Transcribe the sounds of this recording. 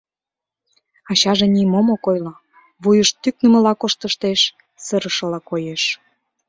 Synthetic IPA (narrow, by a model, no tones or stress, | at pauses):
ɑɕɑʒenimomokojlo | βujəʃt̪ːyk̚nəmə̆lɑkoʃt̪əʃt̪eʃ | səɾəʃɤ̆lɑkojeʃ